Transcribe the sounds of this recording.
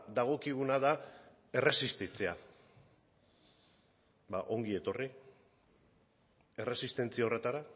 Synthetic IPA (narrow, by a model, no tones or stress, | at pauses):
d̪aɣ̞o̞kiɣ̞unaða | e̞re̞sist̪it͡sea | baʔo̞ŋɡie̞t̪o̞ri | e̞re̞sist̪e̞nt͡siaore̞t̪aɾa